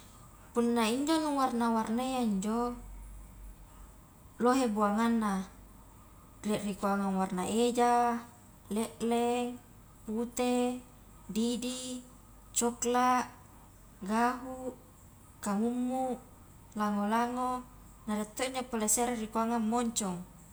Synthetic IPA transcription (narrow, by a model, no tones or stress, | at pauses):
punːaiɲd͡ʒoluŋwarnawarnajaiɲd͡ʒo | loɦebuaŋanːa | lɛʔrikuaŋaŋwarnaʔed͡ʒa | leʔleŋ | put̪e | didi | t͡ʃɔklaʔ | ɡaɦuʔ | kaŋumːuʔ | laŋolaŋo | naɾet̪ːoiɲd͡ʒopoleseɾerikuaŋammoɲt͡ʃɔŋ